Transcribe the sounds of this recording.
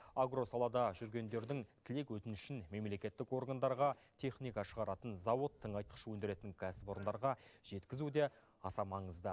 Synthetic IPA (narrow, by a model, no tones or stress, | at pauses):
aɡro̞sɑlˠɑd̪ɑʒʏɾɡʲe̞nd̪e̞ɾd̪ɪŋt̪ʰɪle̞kwɵt̪ɪnɪʃɪnme̞mle̞kʲe̞t̪ːɪko̞rɡand̪ɑɾʁɑt̪ʲʰe̞χnijkɑʃəʁɑɾɑt̪ənzɑwot̪ʰːəɴɑjt̪ə̥qʃəwɵnd̪ɪɾe̞t̪ɪŋkʲʰæsɪpo̞ɾənd̪ɑɾʁɑʒ̥e̞t̪kʲɪzud̪e̞ | ɑsɑmɑɴəzd̪ə